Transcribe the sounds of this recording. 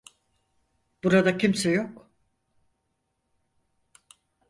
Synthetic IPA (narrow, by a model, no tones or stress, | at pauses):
b̥uɾad̪acʰimsɛjok